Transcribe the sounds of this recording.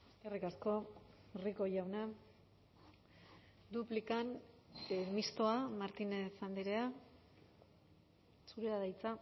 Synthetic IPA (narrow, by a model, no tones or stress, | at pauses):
erikasko̞riko̞ʝawna | d̪uplikan | mist̪o̞amaɾt̪inesand̪iɾe̞a | suɾeaðajt͡sa